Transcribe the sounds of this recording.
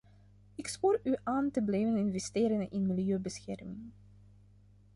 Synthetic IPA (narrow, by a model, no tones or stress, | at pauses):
ɪkspuːryʔaːntəblɛjvənɪnvɛsteːɾənʔɪnmilˠjøːbəsxɛ̰rmɪŋ